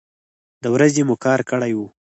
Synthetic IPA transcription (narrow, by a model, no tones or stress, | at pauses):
d̪əwɾazemukɑɾkəɽajwu